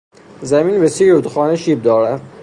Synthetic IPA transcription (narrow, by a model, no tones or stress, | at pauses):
zæminbesiːud̪xɒːneʃiːb̚d̪ɒːɾæd̪̥